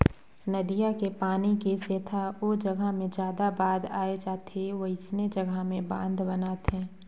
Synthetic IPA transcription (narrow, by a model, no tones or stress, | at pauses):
nɐd̪ijakepaːnikeseːt̪ʰaod͡ʒɐɡʱamẽd͡ʒjaːd̪abaːd̪aːed͡ʒaːt̪eʋoɪsned͡ʒɐɡʱamẽbãːnd̪bɐnaːt̪ɦɛ̃ː